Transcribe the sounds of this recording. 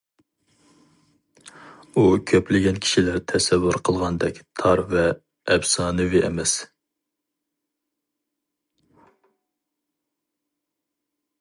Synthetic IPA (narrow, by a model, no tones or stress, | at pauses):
ukʲʰøplɪɡʲɛnkʲʰi̥ʃilæɾt̪ʰɛsɛvːuɾqʰəlˠʁɑnd̪ɛkʲt̪ʰɑɾvɛː | bsɑːnɨvɪʔɛ̰mɛs